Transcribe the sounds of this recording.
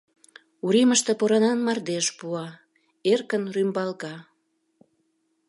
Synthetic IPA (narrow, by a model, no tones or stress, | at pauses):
uɾiməʃt̪ĕpoɾɑnɑnmɑrd̪eʃpuɑ | erkənrymbɑlkɑ